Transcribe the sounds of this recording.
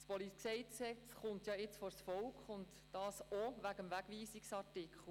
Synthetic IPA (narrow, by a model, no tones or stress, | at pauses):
spɔliksɛɪtsɛt͡sχʊntjɑɪt͡sfɔɾsfɔlkχʊnt | d̥ɑːsoʋæɡəmʋæɡ̥ʋiːsiksɑrtɪkχl̩